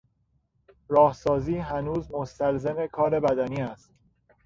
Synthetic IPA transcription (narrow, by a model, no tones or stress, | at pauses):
ɾɒːhsɒːziːɦænuːzmost̪ælzeme̞kʰɒːɾe̞bæd̪æniːæst̪